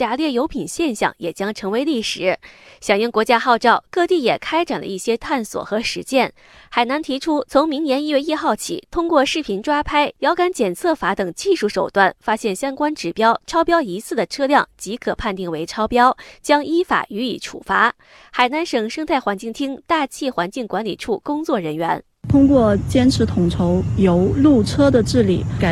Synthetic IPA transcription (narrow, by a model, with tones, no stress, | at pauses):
t͡ɕja˧˥ljɛ˥˩jo˧˥ʊpʰi˨˩nɕjɛ˥˧nɕjɑ̰˥˩ŋjɛ˨˩t͡ɕjɑ˥ŋʈ͡ʂʰɤ˧˥ŋwe˧˥ɪli˥˩ʂɻ̩˨˧˥ɕjɑ˨˩ŋjʊ˥˩ŋkwɔ˧˥t͡ɕja˥xɑ˥˧ʊʈ͡ʂɑ˥˧ʊkɤ˥˧t̪i˥˩jɛ˨˩kʰa˥ɪʈ͡ʂa˨˩nlə̰˧i˥˩ɕjɛ˥t̪ʰa˥˩nswɔ̰˨˩xɤ˧˥ʂɻ̩˧˥t͡ɕjɛ˥˩n | xa˨˩ɪna˧˥nt̪ʰi˧˥ʈ͡ʂʰu˥t͡sʰʊ˧˥ŋmi˧˥ŋnjɛ˧˥ni˥˧ɥɛ˥˧i˥˧xɑ˥˩ʊt͡ɕʰḭ˨˩t̪ʰʊ˥ŋkwɔ˥˧ʂɻ̩˥˩pʰi˧˥nʈ͡ʂwa˥pʰa˥ɪjɑ˧˥ʊka˧˥nt͡ɕjɛ˨˩nt͡sʰɤ˥˩fa˧˥t̪ɤ˨˩ŋt͡ɕi˥˧ʂu˥˩ʂo˨˩ʊt̪wa˥˩nfa˥ɕjɛ˥˩nɕjɑ˥ŋkwa˥nʈ͡ʂɻ̩˨˩pjɑ˥ʊʈ͡ʂʰɑ˥ʊpjɑ˥ʊi˧˥t͡sʰɹ̩˥˩d̪ə˩ʈ͡ʂʰɤ˥ljɑ˥˩ŋt͡ɕi˧˥kʰɤ˨˩pʰa˥˧nt̪i˥˩ŋwe˧˥ɪʈ͡ʂʰɑ˥ʊpjɑ˥ʊt͡ɕjɑ˥ŋi˥fa̰˨˩y˧˥i˨˩ʈ͡ʂʰṵ˨˩fa˧˥ | xa˨˩ɪna˧˥nʂɤ˨˩ŋʂɤ˥ŋt̪ʰa˥˩ɪxwa˧˥nt͡ɕi˥˩ŋt̪ʰi˥ŋt̪a˥˧t͡ɕʰi˥˩xwa˧˥nt͡ɕi˥˩ŋkwa˧˥nli˨˩ʈ͡ʂʰu˥˩kʊ˥ŋt͡swɔ˥˩ɻə˧˥nɥɛ˧˥n | t̪ʰʊ˥ŋkwɔ˥˩t͡ɕjɛ˥nʈ͡ʂʰɻ̩˧˥t̪ʰʊ˨˩ŋʈ͡ʂʰo˧˥ʊjo˧˥ʊlu˥˩ʈ͡ʂʰɤ˥d̪ə˨ʈ͡ʂɻ̩˥˩li˨˩˦ka˨˩